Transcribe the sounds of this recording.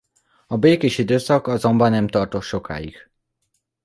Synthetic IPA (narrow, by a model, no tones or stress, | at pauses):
ɒbeːkeːʃid̪øːsɒkɒzo̞mbɒnːɛmt̪ɒrt̪o̞t̪ʃo̞kʰa̰ːjḭɡ̥